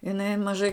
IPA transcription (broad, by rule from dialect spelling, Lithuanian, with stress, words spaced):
ɪˈnɐɪ mɐˈʒɐɪ